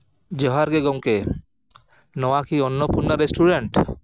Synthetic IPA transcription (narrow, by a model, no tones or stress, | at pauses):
d͡ʒɔɦaɾɡeɡɔŋke | nɔwakiɔnːɔpuɾnaɾesʈʰuɖeɳʈ